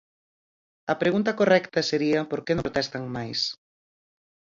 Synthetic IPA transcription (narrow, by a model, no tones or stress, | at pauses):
ɐpɾeɣunt̪ɐkorɛkt̪ɐseɾiɐpoɾkenõɾot̪ɛst̪ɐŋmajs